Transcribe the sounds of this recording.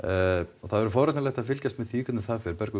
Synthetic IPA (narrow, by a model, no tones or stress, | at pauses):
ɔθaðvɛɾʏfɔwɾɛt̪nalɛjxt̪afɪlcast̪mɛðθʰiːkʏt̪nɪθaðfɪɾpɛɾkʏ